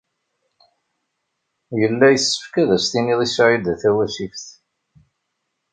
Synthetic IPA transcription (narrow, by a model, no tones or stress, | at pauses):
jəlːæjəsːə̥fkæðæst̪iniðˤisʕid̪æθæwæʃifθ